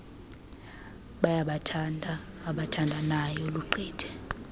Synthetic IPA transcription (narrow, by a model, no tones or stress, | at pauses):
ɓajaɓatʰandʱaː | ɓatʰandʱanajɔluǃʱɛːd̥ʱɛ̥